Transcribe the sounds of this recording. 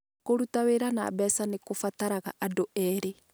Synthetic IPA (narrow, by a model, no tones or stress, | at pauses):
koɾutaweːɾana̰ːbɛːsanekofataɾaɣa̰ʔadoʔɛːɾe